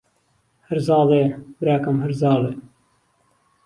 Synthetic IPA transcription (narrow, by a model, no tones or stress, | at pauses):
hɐɾzɑːleːbɾaːkɐmɦɐɾzɑːleː